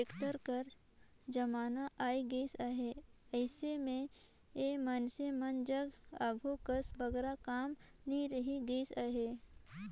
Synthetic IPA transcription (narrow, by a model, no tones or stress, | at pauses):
eːkʈəɾkəɾ | d͡ʒɐmaːnaʔaːiɡəisaɦeəɪsemẽ | emənsemənd͡ʒəɡaːɡʱokəsbɐɡɾakaːmniɾəɦiɡəisaɦeː